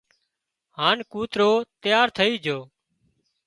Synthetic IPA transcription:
ɦaːnkuːt̪ɾoːt̪ɪjaːɾt̪ʰəiːd͡ʒʱoː

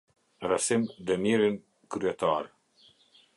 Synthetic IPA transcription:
rasimd̪ɛmiɾin | kɾyɛt̪aɾ

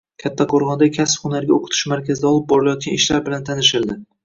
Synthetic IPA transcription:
kʲʰat̪ʰːaqʰoɾχɒnd̪akʲʰaspχʊnaɾɡʲaoqʰʊ̥t̪ʰɪ̥ʃmaɾkʲʰazɪd̪aɒlˠɪp̚bɒɾɪlajɒt̪̚kʲanɪʃlaɾbɪlant̪ʰanɪʃ̬ɪld̪ɪ

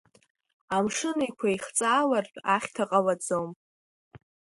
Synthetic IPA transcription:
amʂɨnikʷʰaiχt͡sʼaːlarpʼaχʲtʰaqʼalad͡zom

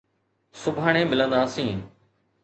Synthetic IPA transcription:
sʊbʱaəɳẽːmɪlə̃nd̪aːsĩː

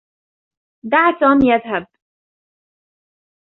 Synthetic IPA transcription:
d̪aʕt̪ɑːmjaðɦab̚

